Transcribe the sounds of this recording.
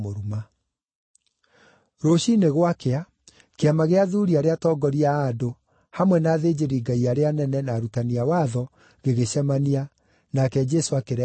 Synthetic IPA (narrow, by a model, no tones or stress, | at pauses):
oɾuma | ɾoɕineɣwakea | keamaɣeaðuːɾiaɾeatɔːɡɔɾiaːdo | hamwɛnaːðeːd͡ʑeɾiːɡaiaɾeanɛnɛnaɾutaniawaðɔ | ɣeɣeɕɛmania | nakɛd͡ʒɛsoakeɾɛ